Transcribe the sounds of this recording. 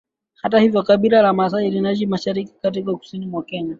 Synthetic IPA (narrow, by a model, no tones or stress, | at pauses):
hatahivjɔkaɓiɾalamas̬ailinaʃimaʃaɾiki̥katikaku̥sinimwakɛɲa